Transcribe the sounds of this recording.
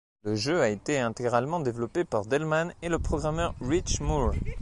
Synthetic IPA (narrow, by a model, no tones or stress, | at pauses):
ləʒøaet̪eɛ̃t̪eɡʁalmɑ̃d̪evlɔpepaʁd̪ɛlmaneləpχɔɡʁamœʁʁit͡ʃmuʁ